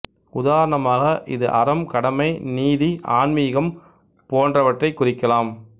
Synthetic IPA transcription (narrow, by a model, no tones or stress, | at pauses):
ʊðaːɾɐɳɐmaːɣɐʔɪ̰ðɯʔɐɾɐmkɐɽɐmɐɪniːðiʔaːɳmiːɣɐm | poːndrɐʋɐʈrɐɪkːʊrɪkːɐlaːm